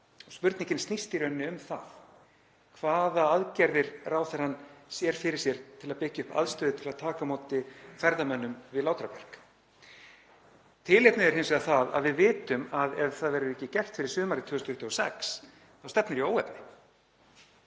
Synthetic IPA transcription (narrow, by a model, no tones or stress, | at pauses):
ɔɣspʏɾt̪niɲcɪnst̪nist̪ɪɾœnːɪʏmθa̰ð | kʰvaːðaaðcɛɾðɪɾraːwθɛɾ̥anːsjɛɾ̥fɪɾɪɾ̥sjɛɾ̥t̪ʰɪlaðpɪcːaʏhpa̰ðst̪œːðɪt̪ʰɪlaðt̪ʰaːkamoːwt̪ɪfɛɾðamœnːʏmvɪðlaːwt̪ɾapɛr̥k | t̪ʰɪlejpnɪɛɾ̥hɪnmsɛɣðaθaða̰ðvɪðvɪːt̪ʏmaðɛvθaðvɛːɾʏɾɛcːɪcɛl̥t̪fɪɾɪ̥ɾsʏːmaɾɪt̪ʰʏːðsnʏht̪ʰːɔsɛks | θawst̪ɛpnɪɾijoːwɛpnɪ